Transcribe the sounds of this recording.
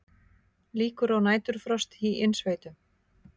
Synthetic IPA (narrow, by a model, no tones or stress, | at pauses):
liːkʏɾawnaːjt̪ʏɾ̥fɾɔst̪hiʔɪnsveːjt̪ʏ